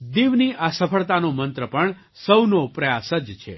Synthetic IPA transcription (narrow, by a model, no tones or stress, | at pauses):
d̪iʋniʔasəpʰəɭt̪anomənt̪ɾəpəɳ | səwnopɾəjasəd͡ʒt͡ʃʰḛ